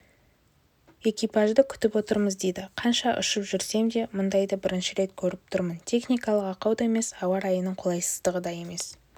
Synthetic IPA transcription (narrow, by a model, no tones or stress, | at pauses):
e̞kʲijpɑʒd̪əkʲʰʏ̥t̪ɪpwo̞t̪əɾməzd̪e̞jd̪ɪqʰɑnʃɑʔʏ̰ʃəpʒʏɾse̞md̪e̞mʊnd̪ɑjd̪ɑbɪɾɪnʃɪɾe̞t̪̚kʲʰɵɾɪp̚t̪ʰʊɾmənt̪ʲʰe̞χnʲijkɑlˠəqɑqɑwd̪ɑe̞me̞sɑwɑɾɑjənəɴqʰolˠɑjsə̥zd̪əʁəd̪ɑje̞me̞s